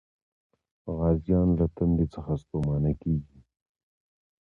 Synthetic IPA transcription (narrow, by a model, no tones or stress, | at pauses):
ɣɑːzjɑːnlat̪and̪it͡səxast̪omɑːnakeːɡi